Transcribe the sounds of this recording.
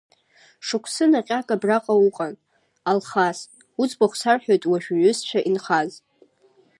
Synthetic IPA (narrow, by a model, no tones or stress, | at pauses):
ʂɨkʷʰsɨnaqʲʼakʼabraqʼauqʼan | alχas | ut͡sʼbaχʷsarħʷᶣojtʼwaʒᶣɥʏst͡ʃʷʰaʔinχaz